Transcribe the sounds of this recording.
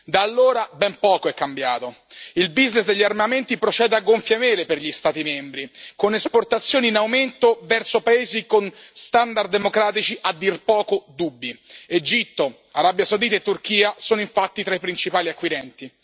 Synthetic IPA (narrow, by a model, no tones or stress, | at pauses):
d̪aːlːoːɾabɛmpɔːkoɛkːambjaːt̪o | ilbiznesd̪eʎːiarmament̪ipɾot͡ʃɛːd̪eaɡːoɱfjameːleperʎist̪aːt̪imɛmbɾikonesport̪at̪sːjoːniːnawment̪ovɛrsopaeːzikonst̪and̪ard̪ːemokɾaːt̪it͡ʃiʔad̪ːirpɔːkod̪ubːied͡ʒit̪ːo | aɾabjasawd̪iːt̪aet̪ːurk̟iːasoːnoiɱfat̪ːit̪ɾaipɾint͡ʃipaːliakːwiɾɛnt̪i